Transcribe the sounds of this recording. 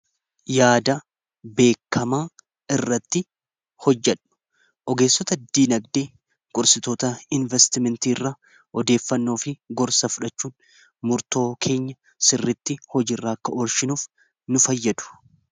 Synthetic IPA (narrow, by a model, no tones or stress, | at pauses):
jaːd̪ɐ | be̞ːkːɐmaː | ɪrːɐt̪ːɪ | hɔd͡ʒːɛᶑʊ̥ | ʔɔɡe̞ːsːɔt̪ɐd̪ːiːnɐɡd̪eː | kʼʊɾsɪt̪oːt̪ɐɪnvɛst̪ɪmɛnt̪iːrːa | ʔɔd̪e̞ːfːɐnːo̞ːfɪɡɔɾsɐfʊᶑɐt͡ʃːuːn | mʊɾt̪o̞ːkʰe̞ːɲːɐ | sɪrːɪt̪ːɪhɔd͡ʒiːrːaːɐkːɐʔɔɾʃɪnuːf | nʊfɐjːɐd̪ʊ̥